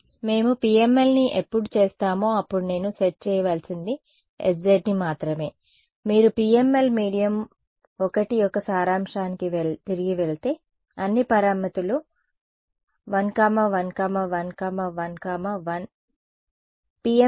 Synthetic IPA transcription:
me̞ːmupiːemːe̞lniʔepːuɽut͡ʃeːst̪aːmoːɐpːuɽune̞ːnut͡ʃeʈ̚t͡ʃɛːjɐʋaːlsind̪i | ḛsd͡ʒeɖnimaːt̪ɾɐme̞ː | miːɾupiːemːe̞lmiːɽijɐm | ɔkɐʈiɔkːɐsaːɾaːmʂaːnikiʋet̪iɾiɡiʋeɭit̪e̞ː | ɐnːipɐɾaːmɐt̪ulu | ʋɐnkaːmɐʋɐnkaːmɐʋɐnkaːmɐʋɐnkaːmɐʋɐn | piːe

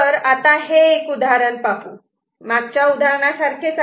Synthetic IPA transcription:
əɾat̪aɦeːkud̪aɾəɳpapuː | maɡ̚t͡ɕjaud̪ʱaɾɳasaɾkʰesa

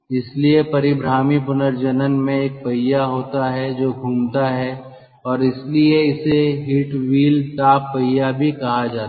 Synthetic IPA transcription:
ɪsliepɐɾɪbɾaːmipʊnəɾd͡ʒənənmẽeːk̚pɐjːaɦoːt̪aɦɛd͡ʒoːɡʱuːmt̪aɦɛ | ɔːɾɪslieɪseɦiːʈʋiːlʈaːpːɐjabʱikɐɦad͡ʒaːt̪ː

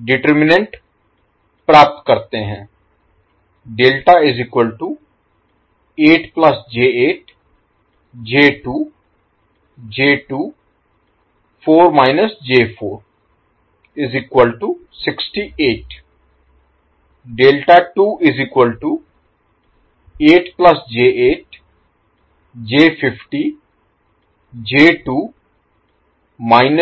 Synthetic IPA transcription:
ɖɪʈəɾmɪnẽɳʈ | pɾaːp̚t̪kəɾt̪eɦɛ̃ː | ɖeːlʈaːɪzɪkwəlʈu | eːʈpləsd͡ʒeːeːʈ | d͡ʒeːʈuː | d͡ʒeːʈuː | pʰoːɾmaːɪnəsd͡ʒeːpʰoːɾ | ɪziːkʋəlʈu | sɪksʈieːʈ | ɖeːlʈaʈuːʔɪziːkwəlʈu | eːʈplɐsd͡ʒeːeːʈ | d͡ʒeːfʰɪfʈi | d͡ʒeːʈuː | maɪn

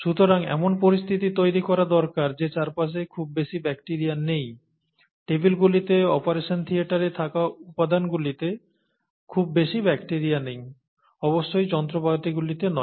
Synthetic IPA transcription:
ʃut̪oɾaŋɛ̰monpoɾist̪ʰit̪it̪ojɾikɔɾad̪ɔɾkaɾd͡ʑet͡ɕaɾpaʃ̬ekʰub̚beʃibɛkʈiɾianej | ʈebilɡulit̪eɔpaɾeʃont̪ʰiaʈaɾet̪ʰakaupːad̪anɡulit̪e | kʰubːeʃibɛkʈiɾianej | ɔboʃːojd͡ʑɔnt̪ɾobat̪iɡulit̪enɔ

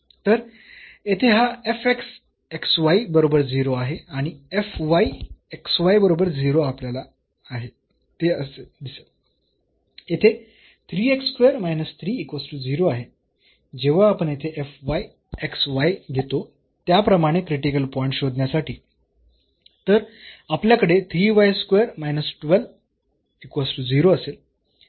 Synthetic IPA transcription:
t̪əɾ | jet̪ʰeɦaefeks | eksʋaibəɾobəɾd͡ziɾoaɦeaɽ̃iefʋaieksʋajbəɾobəɾd͡ziɾoapljalaː | ɦe | t̪eəsed̪ise̥ | et̪ʰe | t̪ʰɾiːekskʋejəɾmajnəst̪ʰɾiːekʋəsʈuːd͡ziɾoaɦe | d͡ʑeʋ̤aːpəɳjet̪ʰeʔefʋaj | eksʋajɡʱet̪o | t̪japɾəmaɽ̃ekɾiʈikəlpɔjiɳʈɕod̪njasaʈʰiː | t̪əɾapljakəɽet̪ʰɾiːʋajskʋeəɾmajnəsʈʋəl | ikʋəsʈud͡ziɾoəsel

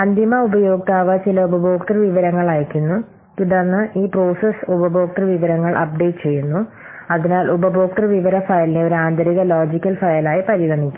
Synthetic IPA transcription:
ɐnd̪imɐubɐjo̞ːk̚t̪aːʋɐt͡ɕilɐubɐbo̞ːkʈɐrʋiʋɐɾɐŋːɐɭaːjikʲːunːu | t̪uɽɐrnːɨʔiːpro̞ːsesubɐbo̞ːk̚ʈɐrʋiʋɐɾɐŋːɐɭʔɐ̰p̚ɖe̞ːʈɨt͡ɕe̞jːunːu | ɐðinaːlʔubɐbo̞ːk̚ʈɐrʋiʋɐɾɐfɐjɐlineo̞ɾaːnd̪ʱɐɾiɣɐloːd͡ʑikʲːɐlfɐjɐlaːjipɐɾiɣɐnikʲːu̥m

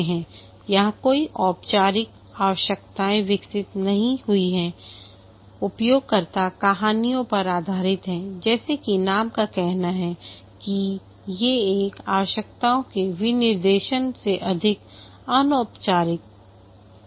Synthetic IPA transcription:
ɦɛ̃ː | jɐɦãkoːiʔɔːpt͡ʃaːɾɪk | aːʋəʃjəkt̪aːẽʋɪksɪt̪nɐɦĩɦʊiɦɛ̃ | ʊpjoːɡ̚kɐɾt̪akaɦaːnijõpɐɾaːd̪ʱaːɾɪt̪ɦɛ̃d͡ʒɛːsekinaːmkakɛɦnaɦɛ | ki | jeeːkaːʋəʃək̚t̪aõkeʋɪnɪɾd̪eːʃənseʔɐd̪ʱɪk | aːnoːpt͡ʃaːɾɪk̚

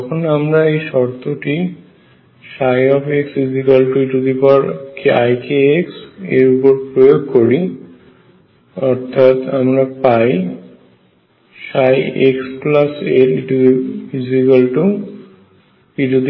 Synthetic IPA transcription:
ɔkʰonamɾaejʃɔɾt̪oʈi | ʃajɔfeksizikalʈuiʈud̪ipɔɾkeajkeeksḛɾupoɾpɾojoɡ̚koɾi | ɔɾt̪ʰat̪amɾapaj | ʃajeksplaseʈiʈufizikalʈu | kiʈud̪

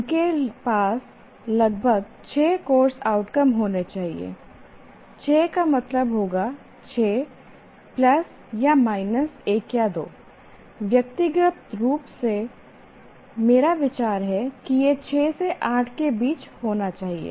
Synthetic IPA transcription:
ʊkepaːs | lɐɡ̚bʱəɡ | t͡ʃʰeːkoːɾsaːʊʈkəmɦoːnet͡ʃaːɦḭḛː | t͡ʃʰeːkamɐt̪ləbɦoːɡa | t͡ʃʰeː | plɐs | jamaːɪnəseːkjad̪o̰ː | ʋjɐk̚t̪iɡɾɪpt̪ɾuːpse | meːɾaʋɪt͡ʃaːɾɦɛkijet͡ʃʰeːseʔaːʈʰkebiːt͡ʃhoːnat͡ʃaːɦiḛː

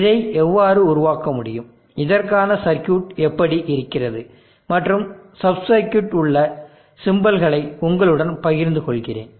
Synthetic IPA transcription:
ɪðɐɪʔɛʋːaːɾɯʊɾʊʋaːkɐmʊɽɪjɯm | ɪðɐrkaːnɐsɐɾkjuːʈɛpːɐɽiʔɪɾɯkːɪrɐðɯ | mɐʈrɯmsɐbsɐɪkjuːʈʊɭːɐ | sɪmbɐlɣɐɭɐɪʊŋɡɐɭɯɽɐnpɐɣɪɾnd̪ɯkɔɭɣɪrḛːn

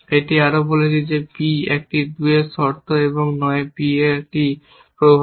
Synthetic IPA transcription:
eʈiaɾobolet͡ɕʰid͡ʑebiek̚ʈid̪uesɔɾt̪ʰoeboŋnɔebieek̚ʈi | pɾobʱ

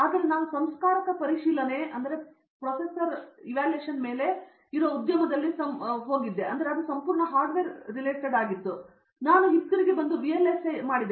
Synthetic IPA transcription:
aːd̪ɐɾenaːʋusɐmskaːɾɐkɐpɐɾiʂiːlɐne̞ɐnd̪ɐɾe̞ | pɾoːpesɐɾiʋaːlujeːʃɐnme̞ːle̞ | iɾoːud̪jɐmɐd̪ɐlːisɐmɦoːɡid̪ːe̞ʔɐnd̪ɐɾeɐd̪usɐmpuːɾɳɐɦaːɾɖʋeːɾːileːʈeɖaːɡit̪ːu | naːnuɦitːɡɐɾiɡebɐnd̪ubielːesemaːɽid̪

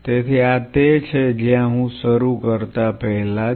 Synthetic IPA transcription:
t̪et̪ʰiat̪et͡ʃʰed͡ʒjãɦũsəɾukəɾt̪apəɦla

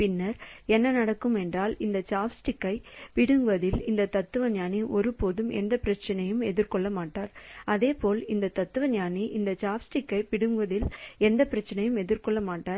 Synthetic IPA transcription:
pɪnːɐɾɛnːɐnɐɽɐkːɯmɛndraːlɪnd̪ɐt͡ʃaːfsʈɪkːɐɪpɪɽɯŋɡʋɐðɪlɪnd̪ɐt̪ɐt̪ːɯʋɐɲaːniʔɔɾɯpoːðɯmɛ̰nd̪ɐpɪɾɐt͡ʃːɐnɐjɯmɛðɪɾkɔɭːɐmaːʈːaːɾɐðeːpoːlɪnd̪ɐt̪ɐt̪ːɯʋɐɲaːniʔɪnd̪ɐt͡ʃaːfsʈɪkːɐɪpɪɽɯŋɡʋɐðɪlɛnd̪ɐpːɪɾɐt͡ʃːɐnɐjɯmɛðɪɾkɔɭːɐmaːʈːaːɾ

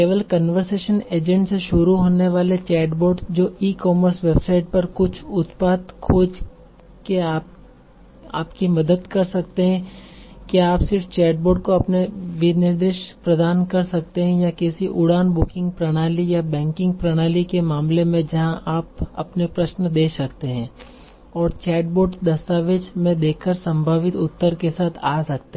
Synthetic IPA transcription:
eːʋəlkɐnʋəɾseːʃəneːd͡ʒə̃ɳɖseʃʊɾuɦoːneʋaːlet͡ʃɛːɖboːɾɖd͡ʒoːiːkɔːməɾsʋeːbsaːɪʈ̚pɐɾkʊt͡ʃʰʊt̪paːt̪kʰoːd͡ʒ | keaːp | aːpkimɐd̪əd̪kɐɾsɐk̚t̪eɦɛ̃kaːpsɪɾʈt͡ʃɛːɖ̚boːɖ̚koɐpneʋɪnɪɾd̪ɾɪʃpɾɐd̪aːnkɐɾsɐk̚t̪eɦɛ̃jakɛːsiʔʊɽaːnbʊkɪ̃ŋɡ̚pɾɐɽ̃aːlijabɛ̃ːŋkɪ̃ŋɡ̚pɾɐɽ̃aːlikemaːmlemẽd͡ʒɐɦãʔaːpɐ̰pnepɾɐʃnd̪eːsɐkt̪eɦɛ̃ː | ɔːɾt͡ʃɛːʈ̚boːɖd̪ɐst̪aːʋeːd͡ʒmẽd̪eːkʰkːəɾsɐ̃mbʱaːʋɪt̪ʊt̪ːəɾkesaːt̪ʰaːsɐk̚t̪ẽ

